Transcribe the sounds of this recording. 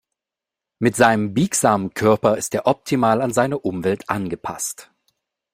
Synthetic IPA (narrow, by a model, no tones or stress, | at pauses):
mɪtz̥aɪnəmbiːkz̥aːmənkʰœɐpɐɪsteːɐʔɔp̚tʰimaːlanzaɪnəʔʊmvɛltʰʔanɡəpʰa̰st